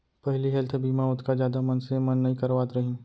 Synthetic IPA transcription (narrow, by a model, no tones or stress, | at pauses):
pɐɦliɦɛlt̪ʰbiːmaʊt̪ʰkad͡ʒjaːd̪amɐnsemɐnːɐɦĩkɐɾʋaːt̪ɾɐɦĩː